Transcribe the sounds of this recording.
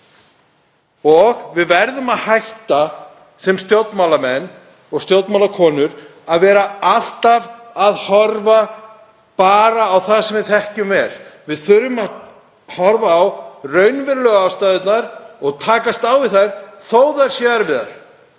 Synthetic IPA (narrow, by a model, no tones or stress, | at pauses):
ɔɣvɪðvɛɾðʏmaðhajht̪a | sɛmst̪jowt̪nmawlamɛnː | ɔɣst̪jowt̪mawlakʰɔːnʏɾaðvɛːɾaal̥t̪avaðhɔɾva | paːɾaːwθasɛmvɪðθɛhcʏmvɛːlvɪðθʏɾʏmað | hɔɾvaːwrœɥnvɪɾlœɣaːwst̪aːðɪt̪naɾ̥ɔɣt̪ʰaːkast̪awvɪðθajɾθoːwðaɾ̥sjɛðaɾvɪða̰ɾ̥